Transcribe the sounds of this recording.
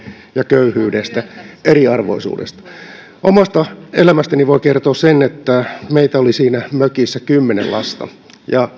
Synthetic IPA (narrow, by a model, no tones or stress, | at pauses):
jɑkøyhyːdest̪æeriɑrʋo̰isṵːdḛst̪ɑ̥ | ʔomɑst̪ɑelæmæst̪æniʋoikert̪oːssenet̪ːæmeit̪æolisiːnæmøkisːækymːenḛlʔɑst̪ɑ̰ | jɑ